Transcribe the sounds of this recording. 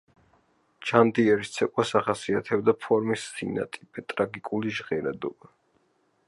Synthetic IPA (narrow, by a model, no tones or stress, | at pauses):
d͡ʒand̪iɛɾist̪sʰɛkʼwasaχasiat̪ʰɛbd̪apʰɔɾmisːina̰t̪ʼipʼɛt̪ʼɾaɡikʼuliʒʁɛɾad̪ɔ̰ba